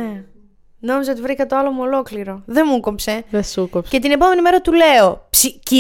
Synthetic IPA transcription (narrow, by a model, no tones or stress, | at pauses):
e | no̞mizɐot̪ivɾikɐt̪o̞ɐlo̞muo̞lo̞kliɾo̞ðemuko̞pse̞ðesukopse̞t̪ine̞po̞me̞nime̞ɾɐt̪ule̞o̞psici